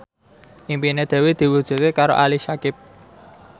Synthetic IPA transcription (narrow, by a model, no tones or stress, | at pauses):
ʔimpined̪̥ɛ̤wed̪̥i̤wu̥ʒ̥ṳt̪̚kekaɾo̰ʔaliʃakɪp̚